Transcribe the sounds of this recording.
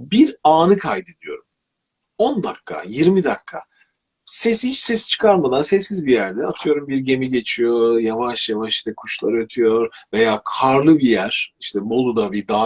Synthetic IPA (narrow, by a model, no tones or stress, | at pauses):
biɾaːnɯkʰajd̪ed̪ijo̞̰ɾum | o̞nd̪akːa̰jiɾmid̪akʰːa̰ | sɛshit͡ʃsɛst͡ʃʰɯ̥kʰaɾmad̪ˠaɾsɛsːizbijæɾd̪ɛat̪ʰɯjo̞ɾumbiɾɟe̞miɟe̞t͡ʃʰijo̞javaʃjavaʃi̥ʃt̪ɛkʰuʃlˠaɾɯat̪ʰyjo̞ɾve̞jaːkʰaɾlˠɯbijæɾ̥iʃt̪ʰɛmo̞lˠud̪abid̪aː